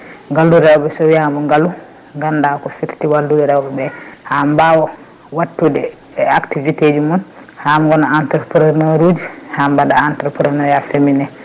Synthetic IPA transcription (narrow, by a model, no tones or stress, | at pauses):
ŋɡalːuɾɛwbɛsɔwiamɔŋɡalːu | ŋɡandakɔfittiwalːudɛɾɛwbɛbɛhambawɔ | watːudɛ | aktivited͡ʒumun | hamɡɔnaantɛɾpuɾaɾnaɾud͡ʒihambadaːntɾpuɾɛnaɾjafeminɛ